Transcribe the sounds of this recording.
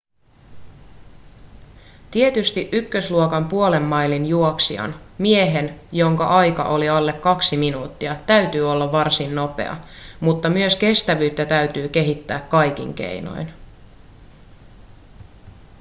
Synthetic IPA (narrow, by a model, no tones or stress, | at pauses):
t̪iet̪yst̪iʔykːøsluokɑmpuole̞mːɑjlinjuoksiɑ̰nmieɦe̞njo̞ŋkɑʔɑjkɑ̰ʔo̞liɑlːe̞kːɑksiminuːt̪ːiɑt̪æɥt̪yːo̞lːɑʋːɑrsinːo̞pe̞̰ɑ̰mut̪ːɑmyøske̞st̪æʋyːt̪ːæt̪æyt̪yːk̟e̞ɦit̪ːæːkkːɑjk̟ḭŋk̟e̞̰jno̞̰jn